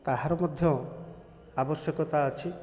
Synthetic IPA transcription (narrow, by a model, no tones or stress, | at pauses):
t̪aɦaɾɔmɔd̪ʱjɔ | abɔsjɔkɔt̪aət͡ʃʰi